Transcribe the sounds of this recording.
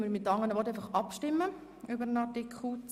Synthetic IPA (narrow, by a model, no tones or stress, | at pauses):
məɾmɪt̪ːɑŋːənəʋɔt̪æɪfɑχɑpʃtɪmːə | ʏbəɾənɑtɪkχut͡s